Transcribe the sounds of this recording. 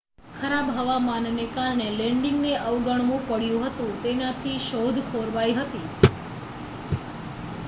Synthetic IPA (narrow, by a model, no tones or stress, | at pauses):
kʰəɾabɦəʋamannekaɾɳelɛ̃ɳɖɪŋɡneʔəʋɡəɳ̃ʋũpəɽjũɦət̪ũt̪enat̪ʰiʃod̪ʱkʰoɾʋaiɦət̪i